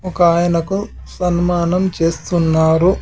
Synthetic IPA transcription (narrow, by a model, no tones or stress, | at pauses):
ɔkaːjɐnɐku | sɐnmaːnɐmt͡ʃe̞ːst̪unːaːɾu